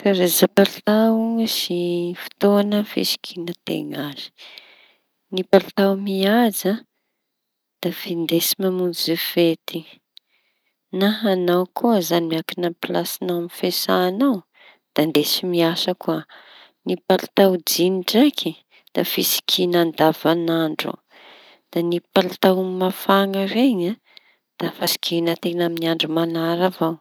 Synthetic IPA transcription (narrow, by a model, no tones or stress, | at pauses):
feɾezapaɾt̪ausifi̥t̪oanəfḭsi̥kʰinət̪ḛŋazi̥ | nipalt̪awmiaza | d̪̥afind̪esimamund͡zufet̪i | naɦanawkʰuəzanimiakinəpilasinawamifesaːnaw | d̪̥and̪esimiasakua | nipalat̪awd͡ziniʈ͡ʂakʰi | d̪̥afisi̥kʰinand̪avanaɳɖ͡ʐṵ | d̪̥anipalat̪awmafaŋəɾeɲa | d̪̥afasi̥kʲenat̪enaminiaɳɖ͡ʐumanaɾavaw